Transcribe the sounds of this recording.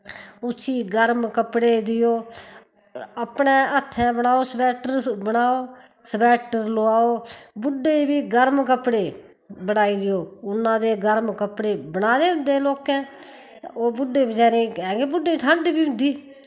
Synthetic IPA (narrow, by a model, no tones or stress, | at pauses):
ʊt͡ʃʰiːɡəɾmkəpɽeːd̪ɪjoː | əpɳẽːət̪ʰːɛ̃ːbənaːoːsəbɛːʈəɾbənaːoː | səbɛːʈəɾloːaːoːbʊɖːeːbiːɡəɾmk̬əpɽeː | bənaːiːɾɪjoːʊnːãːd̪eːɡəɾmkəpɽeːbənaːd̪eːʊ̃nd̪eːloːkɛ̃ː | oːbʊɖːeːbət͡ʃaːɾẽːkɛ̃ːɡeːbʊɖːeːʈʰãːɳɖibiːʊ̃nd̪iː